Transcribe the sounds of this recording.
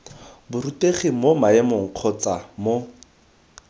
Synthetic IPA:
bʊruteχimomaemoŋ̩q͡χʰɔt͡samo

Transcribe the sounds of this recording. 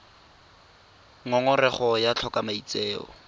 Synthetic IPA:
ŋɔŋʊrɛχɔjat͡ɬʰɔkamait͡seːɔ̰

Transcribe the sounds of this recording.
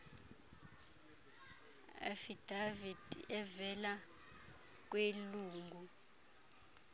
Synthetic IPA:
ɛ̰fid̥avid̥ɛvɛla | k̬weluːŋɡʱu

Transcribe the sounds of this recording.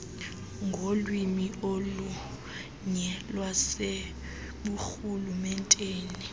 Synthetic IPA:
ŋɡʱolwimiolu | ɲɛlwase | ɓuxulumɛntʼeːni

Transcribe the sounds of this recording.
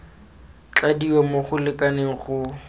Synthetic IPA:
t͡ɬadiwɛmoχʊlɪkʼaneɣʊ

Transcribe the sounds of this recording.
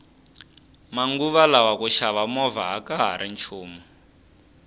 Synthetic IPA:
maŋɡuβalawakuʃaβamɔva̰ɦakaɦa̰ɾʔint͡ʃʰuːma

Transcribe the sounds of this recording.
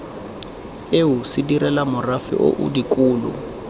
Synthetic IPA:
eɦusidirɛlamʊrafḭʔo̰ʔṵdikʼuːlʊ̰

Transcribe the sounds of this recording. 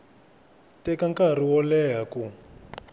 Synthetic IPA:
tɛkaŋkariwɔlɛɦaku

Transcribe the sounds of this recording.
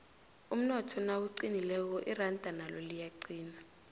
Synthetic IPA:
um̩nɔtʰɔnawuǀinilɛk̬ɔʔirandʼʱanalolijaǀiːna

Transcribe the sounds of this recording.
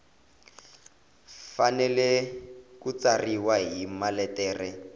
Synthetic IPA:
fanɛlɛkut͡sariwaɦimalɛtɛːrɛ

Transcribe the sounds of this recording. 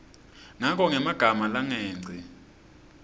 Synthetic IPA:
ŋakʼɔŋɛmaɡ̥ʱamalaŋɛːŋ͡ǀʱi

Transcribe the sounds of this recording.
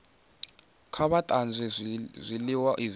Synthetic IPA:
kʰaβatʼand͡zʱɛzʷiliwaʔiz

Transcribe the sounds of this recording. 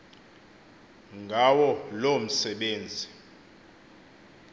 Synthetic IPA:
ŋɡʱawɔlom̩sɛɓeːnd͡zʱi

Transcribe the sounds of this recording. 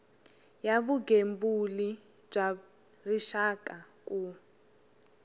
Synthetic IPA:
jaβuɡembuli | b͡ʐa | riʃakʼakʼu

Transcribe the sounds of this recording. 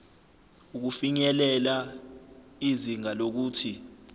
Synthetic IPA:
uk̬ufiɲɛlɛla | iziŋalok̬uːtʰi

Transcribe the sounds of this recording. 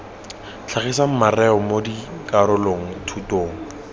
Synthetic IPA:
t͡ɬʰaχisam̩marɛɔmodikaɾʊloŋ̩tʰutoːŋ̩

